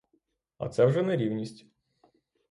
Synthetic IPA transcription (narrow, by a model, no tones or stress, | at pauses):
ɐ̰t̪sɛwʒɛnɛɾʲiwnʲisʲtʲ